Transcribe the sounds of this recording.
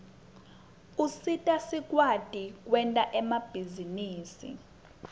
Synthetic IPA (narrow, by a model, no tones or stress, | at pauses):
usitʼasik̬ʼwatʼik̬ʼwɛntʼaʔɛmab̥ʱiziniːsḭ